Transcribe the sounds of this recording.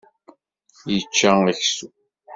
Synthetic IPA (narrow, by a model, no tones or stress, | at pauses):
jət͡ʃːaəçsu